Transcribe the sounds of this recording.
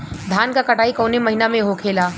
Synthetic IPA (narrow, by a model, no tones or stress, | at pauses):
d̪ʱaːnkakɐʈaːikɔːnemɐɦinamẽɦokʰeːlaː